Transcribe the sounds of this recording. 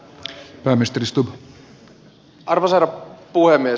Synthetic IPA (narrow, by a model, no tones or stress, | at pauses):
pæːmːist̪ɾist̪ub | ɑrʋosɑɾɑpuhemːie